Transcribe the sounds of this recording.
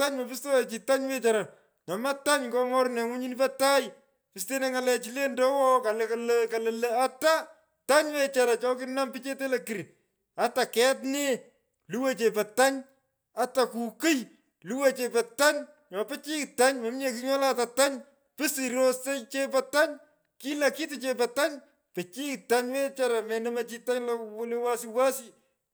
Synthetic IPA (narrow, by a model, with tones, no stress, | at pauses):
ta˦ɲmɔ˨pi˦stɔ˦e˨t͡ʃi˨ta˦ɲwe˦t͡ʃaɾa˨ | ɲɔ˨ma˦ta˦ɲŋkɔ˦ŋɔ˦ɾnɛ˨ŋu˦ɲi˦nipɐ˦ta˦j | pi˨ste˦ne˦ŋa˨lɛ˨t͡ʃi˦le˦ndɔ˦wɔ˦ka˨le˨kalka˨lele˦a˦ta˦ | ta˦ɲwe˦t͡ʃa˨ɾa˨t͡ʃɔ˦kɪ˦na˦mpi˦t͡ʃe˦te˦lɐki˨ɾi | a˦ta˨kɛ˦tne˦ | lu˦we˦t͡ʃe˨pɐ˨ta˦ɲ | a˦ta˨ku˨kɨ˦j | lu˦we˦t͡ʃe˨pɐ˨ta˦ɲ | ɲɔ˨pɛ˦t͡ʃi˦kta˦ɲmɐ˨˦m˦ɲe˨kɪ˦ɲɔ˦la˦ta˨ta˦ɲ | pɪ˦si˨ɾo˦se˦t͡ʃe˦p̬ɐ˨ta˦ɲ | ki˦la˨ki˦tɪ˨t͡ʃe˨p̬ɐ˨ta˦ɲ | pe˨t͡ʃi˦kta˦ɲwɛ˦t͡ʃa˦ɾa˨mɛ˨nɐ˦ma˦t͡ʃi˦ta˦ɲlɔ˦wle˦wa˦siwa˦si˦